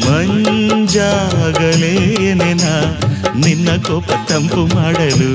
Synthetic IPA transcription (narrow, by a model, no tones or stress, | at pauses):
mɐɲd͡ʒaɡɐlenenaninːɐkɔːpːɐt̪ɐmpumaːɽɐlu